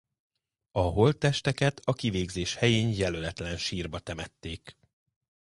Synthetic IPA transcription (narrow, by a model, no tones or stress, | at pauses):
ɒɦo̞lt̪ːɛʃt̪ɛkɛt̪ʰɒkiveːɡzeːʃhɛjeːɲjɛlølɛt̪lɛnʃiːrbɒt̪ɛmɛt̪ːeːk